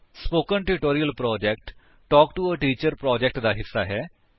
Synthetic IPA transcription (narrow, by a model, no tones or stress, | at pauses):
spoːkənʈɾɪʈoːɾijəlpɾɔːd͡ʒɛkʈ | ʈɔːkʈuəʈiːt͡ʃəɾpɾɔːd͡ʒɛk̚ʈd̪aːɦɪsːaːɦɛː